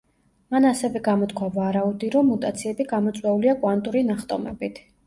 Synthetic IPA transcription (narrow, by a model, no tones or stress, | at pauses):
manasɛvɛɡamɔt̪kʰwavaɾaud̪iɾɔmːut̪ʼat̪sʰiɛbiɡamɔt̪sʼwɛuliakʼwant̪ʼuɾinaχt̪ʼɔmɛ̰bit̪ʰ